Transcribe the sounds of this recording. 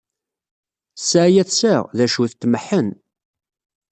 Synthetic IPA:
saʕjæθsəʁðæʃuθt̪ːmħən

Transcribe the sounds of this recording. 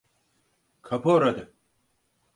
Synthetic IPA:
kʰɐpʰoːɾɐd̪e

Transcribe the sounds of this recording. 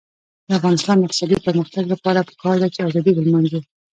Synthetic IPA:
d̪əafɣɑnɪst̪ɑnd̪əɪq̚t̪ɪsɑd̪ipəɾməxt̪aɡlapɑɾapə̥kɑɾd̪at͡ʃeɑzɑd̪ibəlmanze

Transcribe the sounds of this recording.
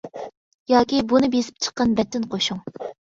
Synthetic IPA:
jɑːkʲibunɨpjesɪ̥p̚t͡ʃʰə̥qːɑnbɛt̪ːɪnqʰoʃuŋ

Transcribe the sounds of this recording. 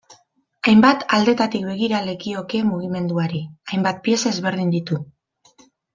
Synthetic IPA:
ajmbat̪ald̪e̞t̪at̪ikbe̞ɣ̞iɾale̞kio̞ke̞muɣ̞ime̞nd̪uaɾiajmbat̪̚pie̞saezβe̞ɾðind̪it̪u

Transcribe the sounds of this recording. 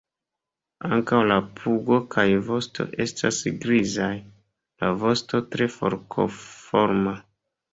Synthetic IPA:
aŋkawlapʰuɡo̞kʰajvo̞stʰo̞̰ʔe̞stʰa̰sɡɾizaj | lavo̞sto̞tɾe̞fo̞̰ɾkʰo̰foɾma

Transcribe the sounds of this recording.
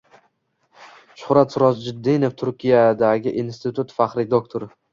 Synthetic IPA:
ʃʊhɾat̪sʊɾɒsd͡ʒɪd̪ːejnoft̪ʰʊɾkʲʰijad̪aɡʲɪʔinst̪ʰɪt̪ʰut̪faqɾɪd̪okt̪ʰoɾɪ

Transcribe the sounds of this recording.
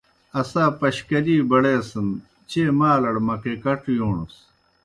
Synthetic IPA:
ɐsaːpɐɕkɐliːbɐɽeːsɐn | t͡ɕeːmaːlɐɽmɐkekɐʈjoːɳus

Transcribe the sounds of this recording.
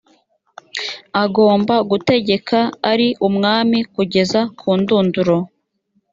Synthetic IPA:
aɡo̞ːmbaɡute̞ɟe̞kʰaːɾiʔumŋaːmikuɟe̞zakʰuːnduːnduɾo̞

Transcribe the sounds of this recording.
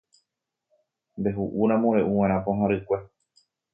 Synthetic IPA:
mbe̞ɦuʔuɾ̃ãmõɾeʔuwẽɾ̃ãpõɦãɾɨkʷe

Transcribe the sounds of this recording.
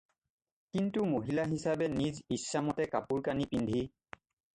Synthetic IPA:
kintumoɦilaɦisabɛnizisːamɔtɛkapuɹkanipindʱi

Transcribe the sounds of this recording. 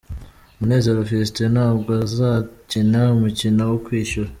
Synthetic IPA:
umune̞ːze̞ɾofiɾistenhaːb̚ɡoazacinaumucinawokwiːʃuɾa

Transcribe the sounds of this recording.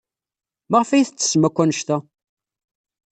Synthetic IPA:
maʁfæjiθət͡sːə̥smækʷːænəʃt̪æ

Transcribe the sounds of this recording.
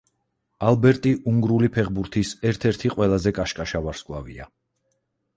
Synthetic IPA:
alˠbɛɾt̪ʼiʔuŋɡɾulipʰɛʁbuɾt̪ʰisɛɾt̪ʰɛɾt̪ʰiqʼwɛlˠazɛkʼaʃkʼaʃavaɾskʼwlˠavḭa̰

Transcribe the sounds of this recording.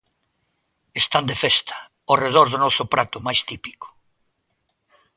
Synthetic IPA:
est̪and̪efest̪ʰɐ̥ | oreð̞ɔɾðonɔsʊpɾat̪ʊmajst̪ipi̥ko̥

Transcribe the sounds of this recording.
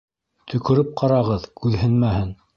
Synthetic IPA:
t̪ʰɵ̆kɵ̆ɾɘp̚qʰɑɾɑʁɤðkʉðhɘ̆nmæhɘn

